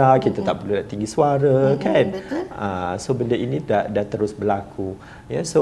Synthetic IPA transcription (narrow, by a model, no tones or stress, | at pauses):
akit̪at̪aʔpəlulaʔt̪iŋɡisuaɾakanəsobəndainĩdaʔdat̪əɾʊsbəlakʰu | jaso